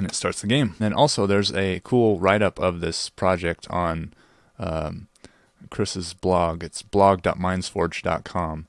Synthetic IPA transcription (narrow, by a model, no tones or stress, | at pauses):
ɨ̃nɨtstɑɹtsðɨɡẽɪ̃mɨ̃nʔɔlˠsoʊðə˞zɨkʰulˠɹaɪɾʌpʰʌvðɪspʰɹ̥ɑd͡ʒɛk̚tʰn̩ | ʌ | kʰɹ̥ɪsɨzblɑɡɨtsb̥lɑɡ̚dɑ̰t̚mãɪ̃nz̥fɔɹd͡ʒdɑ̰t̚kʰɑ̃m